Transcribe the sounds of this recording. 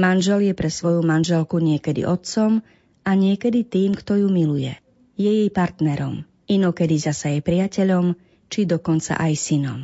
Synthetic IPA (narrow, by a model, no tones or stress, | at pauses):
manʒɛljɛpɾɛsʋɔjumanʒɛlkuɲɪɛkɛd̪ḭʔɔt̪t͡sɔm | aɲɪɛkɛd̪it̪iːmkt̪ɔjumilujɛ̰ | jɛjɛjpaɾt̪nɛɾɔm | inɔkɛd̪izasajɛpɾɪacɛʎɔm | t͡ʃid̪ɔkɔnt͡sa̰ʔajsinɔ̰m